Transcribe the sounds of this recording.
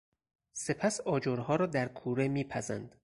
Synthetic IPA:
se̞pʰæsɒːd͡ʒoɾhɒːɾɒːd̪æɾkʰuːɾemiːpʰæzæ̰nd̪̥

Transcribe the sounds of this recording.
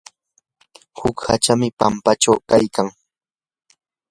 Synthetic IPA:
hʊkhat͡ʃamɪpampat͡ʃawkajkaŋ

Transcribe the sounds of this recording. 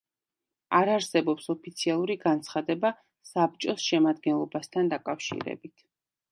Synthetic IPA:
aɾaɾsɛbɔpsɔpʰit̪sʰialˠuɾiɡant̪sʰχad̪ɛba | sab̚t͡ʃʼɔsʃɛmad̪ɡɛnlˠɔbast̪ʰand̪akʼafʃḭɾɛ̰bit̪ʰ

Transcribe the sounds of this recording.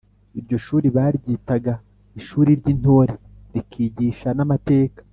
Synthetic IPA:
iɾɟo̞ʃuːɾiβaːɾɟiːtaɡa | iʃuːɾiɾɟin̥o̞ːɾe | ɾikʰiːɟiːʃanamate̞ːkḁ

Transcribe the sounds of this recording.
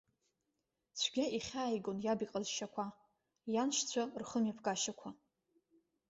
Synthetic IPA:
t͡ɕʷʰɡʲaʔiχʲaːjɡonjabiqʼazʃakʷʰa | janʃt͡sʷʰarχəmjapʰɡaʃakʷʰa

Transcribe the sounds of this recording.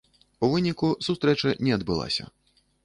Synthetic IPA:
uvɨnʲikusust̪ɾɛt͡ʂɐnʲɛɐd̪bɨlˠa̰sʲɐ̰

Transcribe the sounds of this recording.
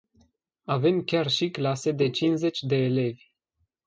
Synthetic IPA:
ave̞mkʲarʃiklase̞d̪e̞t͡ʃinze̞t͡ʃʲd̪e̞ːle̞vʲ

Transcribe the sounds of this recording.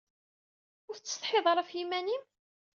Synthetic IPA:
ʊɾθt͡sːst̪ˤħeðˤɾˤæfjimænim

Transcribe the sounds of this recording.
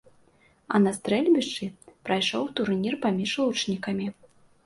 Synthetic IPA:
ɐ̰nɐst̪ɾɛlʲbʲiʂt͡ʂɨpɾɐjʂɔwt̪urnʲirpamʲiʂlˠut͡ʂnʲikɐmʲi

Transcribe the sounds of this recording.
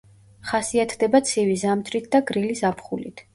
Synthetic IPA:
χasiat̪ʰd̪ɛbat̪sʰivizamt̪ʰɾit̪̚ʰd̪aɡɾilisapʰχulḭt̪ʰ

